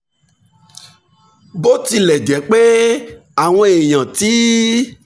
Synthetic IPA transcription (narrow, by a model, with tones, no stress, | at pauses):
bo˦ti˧lɛ˨du˨ɛ˨˦k͡pe˦a˨w̃ɔ̃˧e˨j̃ã˨ti˨˦